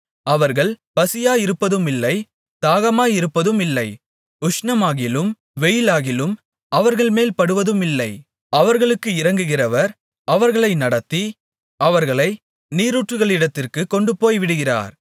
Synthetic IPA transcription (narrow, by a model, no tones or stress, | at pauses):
ɐʋɐɾɣɐɭpɐsɪjaːjɪɾɯpːɐðɯmɪlːɐɪ | t̪aːɣɐmaːjɪɾɯpːɐðɯmɪlːɐɪ | ʊʂnɐmaːɣɪlɯm | ʋɛjɪlaːɣɪlɯm | ɐʋɐɾɣɐɭmeːlpɐɽɯʋɐðɯmɪlːɐɪ | ɐʋɐɾɣɐɭɯkːɯɪɾɐŋɡɯɣɪrɐʋɐɾ | ʔɐʋɐɾɣɐɭɐɪnɐɽɐt̪ːi | ɐʋɐɾɣɐɭɐɪ | niːɾuːʈrɯɣɐɭɪɽɐt̪ːɪrkɯkɔɳɖɯpoːjʋɪɽɯɣɪra̰ːɾ